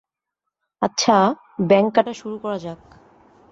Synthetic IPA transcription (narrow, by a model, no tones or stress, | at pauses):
atːɕʰa | bɛŋkːaʈaʃuɾukɔɾad͡ʑak̚